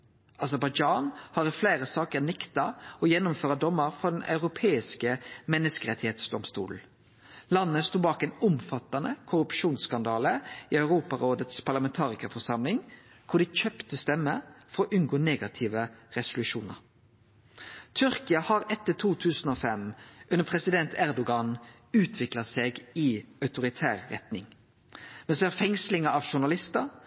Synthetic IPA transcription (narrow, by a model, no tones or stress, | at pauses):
ɑsəɾbɑɪd͡ʒɑːnhɑːɾɪflæɪʁəsɑːkəʁnɛkt̪ɑɔjɛnːʊmføːʁɑd̪ɔmːəɾfʁɔd̪ɛnʔɑ̰ʉʁʊpʰeːɪskəmɛnːəskəʁɛt̪ːɪheːt̪sd̪ɔmst̪ṵːln̩ | lɑnːəst̪uːbɑːkɛːnʊmfɑt̪ɑnəkʰʊɾʉpʃuːnskɑnd̪ɑːləiːœʉʁuːpɑʁoːd̪ət̪spʰɑʁlɑmɛnt̪ʰɑːʁɪkɑfɔʂɑmlɪŋ | kʰʊɖ̪ɪc͡çœpt̪əst̪ɛmːəfɔɾɔʔʉnɡoːneːɡɑt̪ʰɪʋəʁɛsʊlʉʃuːnə̰ʁ | t̪ʰʏɾkɪɑhɑɾɛt̪ːət̪ʰuːt̪ʰʉːsən̩oːfɛmʔʉnəpʰʁɛsɪd̪ɛnt̪ʰæʁd̪ʊɡɑn | ʉːt̪ʰʋɪklɑseːɡɪœʉt̪ʊɾɪt̪ʰæːʁːɛt̪nɪŋ | mɛnsɛæʁfɛŋslɪŋəɑʋʃʊɳɑlɪst̪ə